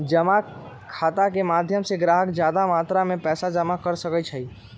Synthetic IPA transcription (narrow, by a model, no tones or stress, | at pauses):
d͡ʒəma | kʰːat̪akemad̪ʱjəmseɡɾaɦəkd͡ʒjad̪amat̪ɾamepɛːsad͡ʒəmakəɾsəkət͡ʃʰəi